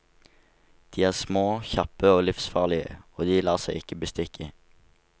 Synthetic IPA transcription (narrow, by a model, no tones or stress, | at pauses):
d̪̥iːæːʁsmoːçɑpəoːlɪfsfɑːʁlɪə̰oːd̪iːlɑːʁsɛɪɪkəbəst̪ɪkə